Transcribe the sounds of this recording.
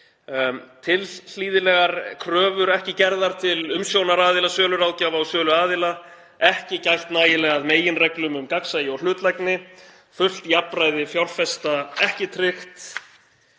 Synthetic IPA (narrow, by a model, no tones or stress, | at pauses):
t̪ʰɪll̥iːðɪlɛɣaɾkʰɾœːvʏɾɛhcɪcɛɾðaɾ̥t̪ʰɪlʏmsjownaɾaːðɪlasœːlʏɾaːwcaːvawsœːlʏaːðɪla | ɛhcɪcajl̥t̪naːjɪlɛːɣaðmeːjɪnrɛklʏmʏmkaksajɪɔl̥ʏːt̪lajknɪ | fʏl̥t̪iapɾajðɪfjawlfɛst̪aɛhcɪt̪ʰɾɪxt̪